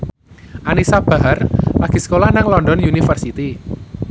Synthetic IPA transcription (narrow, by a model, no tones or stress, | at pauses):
ʔanisab̥a̤ɦarlaɡ̥i̤sə̥kolahnaŋlɔndɔnjunifərsit̪i